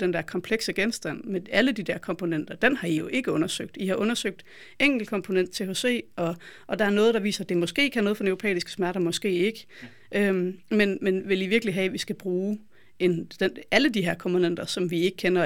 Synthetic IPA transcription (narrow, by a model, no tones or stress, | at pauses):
d̥end̥æɐkʰɒ̽mpʰleɡ̥səɡ̥ensd̥æn̰meæləd̥id̥æɐkʰɒ̽mpʰo̝nen̰d̥ɐd̥enhɑ̈ijo̝ʔe̝ɡ̥əɔ̽nɐsøɡ̥̚d̥ihɑ̈ʔɔ̽nɐsøɡ̥̚d̥ | eŋ̰ɡ̥l̩kʰɒ̽mpʰo̝nen̰d̥̚t͡sʰe̝hose̝̰ːɒ̽ʔɒ̽d̥ɑ̈æɐnɔ̽ːð̞̩ˠd̥ɑ̈ʋḭːsɐæd̥e̝mɒ̽sɡ̥e̝̰ːkʰænɔːð̞̩ˠfɒdnøʊopʰḛːisɡ̥ə̥smæɐɾɐmɒ̽sɡ̥e̝̰ːe̝ɡ̥ə | ʔømmenmenʋe̝liʋiɐɡ̥əliɦɛʋisɡ̥æb̥ʁuː | end̥eæləd̥iɦeɐkʰɒ̽mpʰo̝nen̰d̥ɐsɒ̽mʋie̝ɡ̥əkʰenɐ